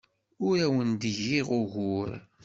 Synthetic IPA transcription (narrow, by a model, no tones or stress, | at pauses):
ʊɾæwənd̪əʝiʁʊɣʊɾ